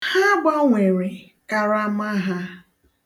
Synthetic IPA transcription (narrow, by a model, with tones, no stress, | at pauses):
ha˦ɡ͡bɔ˦ŋʷe˨ɾe˨ | ka˨ɾa˦ma˦ɦa˦